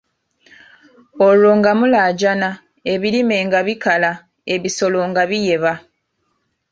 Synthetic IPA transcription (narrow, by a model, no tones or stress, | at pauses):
oloːŋɡamulaːɟana | e̞βiɾime̞ːŋɡaβikala | e̞βiso̞lo̞ŋɡaβije̞βa